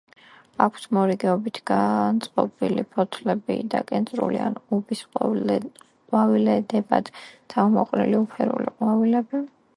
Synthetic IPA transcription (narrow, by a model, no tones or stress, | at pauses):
akʰsmɔɾiɡɛɔbit̪ʰɡ̥ant̪sʼqʼɔ̰bilipʰɔt̪ʰlɛbḭd̪akʼɛnsʼɾṵlianubis | qʼwavilɛd̪ɛba̰d̪̥ʰamɔqʼnḭliupʰɛɾṵlḭqʼwavilɛbi